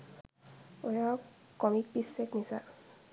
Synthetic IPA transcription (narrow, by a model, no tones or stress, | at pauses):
ojakːɔmik̚pisːekmisa̰